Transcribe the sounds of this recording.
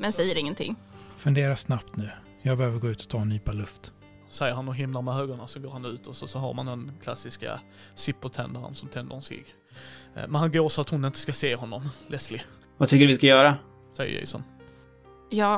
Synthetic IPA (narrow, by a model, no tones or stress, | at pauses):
mɛnsɛjːəɾɪŋːənt̪ʰɪ̰ŋːfɵnd̪eːɾaʂnapt̪nʉ̟ː | jɑːɡ̚bɛhøːvəɾɡoːʉ̟ːt̪ʰɔ̥t̪ʰɑːɛnyːpalɵft̪ | sɛjːəɾhanɔɦɪmlamɛɦøːɡəɳasɔɡoːɾhanʉ̟ːt̪ɔsɔsɔɦa̰ɾmand̪ɛnkʰla̰sːɪska̰ | sɪpːət̪ʰɛnd̪aɾə̰nsɔmt̪ʰɛnd̪əɾhʊnsḭːɡ | mɛnhanɡoːɾsɔat̪hʊnɪnt̪ə̥skaseːɦɔnːɔmlɛslɪ | vat̪ʰʏkːəɖɾvɪskajœːɾa | sɛ̰jːə̰jɛ̰sɔ̰n | jɑː